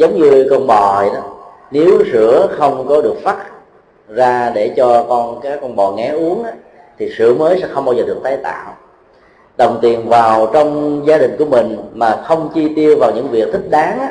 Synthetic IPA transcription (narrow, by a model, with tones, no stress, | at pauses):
zə˨˦wŋ͡mɲɨ˧kɔ˧nɓɔ˨˩˨ɗɔ˨˦ | ne˨˦wsɨ̰˧˥əxə˧wŋ͡mkɔ˨˦ɗɨ˨˩ək̚fa˦˥t̚ | zaː˧ɗe˧˩t͡ɕɔ˧kɔ˧nkaː˨˦˥kːɔ˧nɓɔ˨˩ŋɛ˨˦ʔu˨˦əŋʔaː˨˦ | t̪ʰi˨˩sɨ̰˧˩əməː˨˦jsɛ̰˧˥xə˧wŋ͡mɓaː˧wzəː˨˩ɗɨ˨˩ək̚t̪aː˨˦jt̪a̰ː˧˨w | ɗə˨˩wŋ͡mt̪i˨˩ənvaː˨˩wt͡ɕɔ˧wŋ͡mzaː˧ɗï˨˩ŋ̟ku˧˩əmï˨˩ŋ̟maː˨˩xə˧wŋ͡mt͡ɕi˧t̪i˧əwvaː˨˩wɲɨ̰˧˥ŋvi˨˩ək̚t̪ʰï˦˥k̚ɗaː˨˦ŋ˧